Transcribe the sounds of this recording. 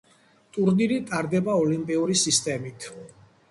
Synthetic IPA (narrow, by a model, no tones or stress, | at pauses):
t̪ʼuɾniɾit̪ʼaɾd̪ɛbaɔlimpʼiuɾisist̪ʼɛmit̪ʰ